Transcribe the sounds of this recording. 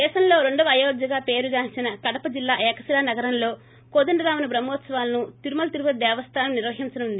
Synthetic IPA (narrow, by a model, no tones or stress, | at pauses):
d̪ɛːʃɐmlo̞ːɾe̞ɳɖɐʋɐjoːd͡ʒɐɡaːpe̞ːɾud͡ʒaːnt͡ʃinɐkɐɽɐpɐd͡ʒilːaːʔɛːkɐsilaːnɐɡɐɾɐmlo̞ː | koːd̪ɐɳɖɐɾaːmunɐbɾɐmoːt̪sɐʋaːlɐnut̪iɾumɐlɐt̪iɾupɐd̪ɛːʋɐst̪ʰaːnɐmniɾʋɐɦint͡ʃɐnund̪i